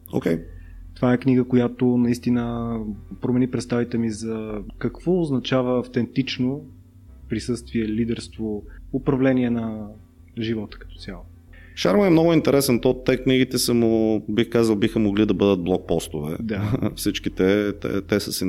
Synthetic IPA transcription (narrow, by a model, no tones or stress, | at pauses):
o̰kʲɛj | t̪ovaɛkniɡəkojat̪onɐist̪inəpɾomɛnipɾɛt̪st̪avit̪ɛmizɐkɐkvɔʊznɐt͡ʃavəːft̪ɛnt̪it͡ʃno | pɾisɤst̪viɛlid̪ɛɾst̪voʊpɾɐvlɛniɛnɐ | ʒivɔt̪ə̥kɐ̥t̪ɔ̥t̪sjalˠo | ʃaɾmoɛmnɔɡʊint̪ɛɾɛsɛnt̪ɔt̪ːɛkniɡʲit̪ɛsəmʊbixkazəlˠbixəmoɡlid̪ɐbɤd̪ət̪̚blˠɔk̚pɔst̪ovɛ̰d̪afsit͡ʃkit̪ɛt̪ɛ̰t̪ɛsəsi